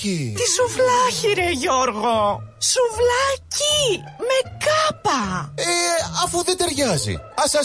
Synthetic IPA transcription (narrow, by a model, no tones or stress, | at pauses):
it̪isuvlɐçiɾeʝoɾɣosuvlɐci | me̞kɐpɐeɐfuðed̪e̞ɾʝɐzḭɐsɐ